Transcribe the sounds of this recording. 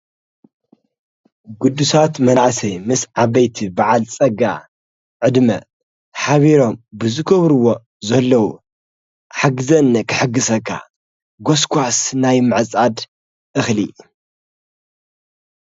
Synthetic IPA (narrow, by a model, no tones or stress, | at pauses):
ɡud̪ːusat̪mɐnʕsɐjmɨsʕaβɐjt̪ʰibaʕalt͡sʼɐɡa̰ | ʕɨd̪mɐ̰ | ħaβiɾo̞mbɨzɨkʰɐβɾuwo̞ | zɐlːɐwu | ħaɡɨzɐnːɐkʰɨħɨɡːɨsɐkʰːa̰ | ɡoskʰʷasnajmɨʕɨt͡sʼad̪ | ʔɨxlḭ